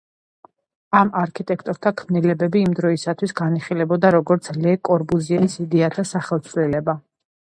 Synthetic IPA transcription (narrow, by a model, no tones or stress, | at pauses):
amaɾkʰit̪ʼɛkʰt̪ʼɔɾt̪ʰakʰmnilɛbɛbiːmd̪ɾɔisat̪ʰwisɡaniχilɛbɔd̪aɾɔɡɔɾt̪sʰlɛkʼɔɾbuziɛnisid̪ɛat̪ʰasaχɛlˠt̪sʰvlɛlɛba